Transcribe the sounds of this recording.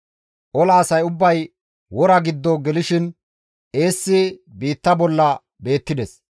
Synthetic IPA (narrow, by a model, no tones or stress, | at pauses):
ʔɔlaːsɐjʊbːɐj | wɔɾɐɡɪd̪ːɔɡɛlɪʃɪn | ʔe̞ːsːɪbiːt̪ːɐbɔlːɐ | be̞ːt̪ːɪd̪ɛs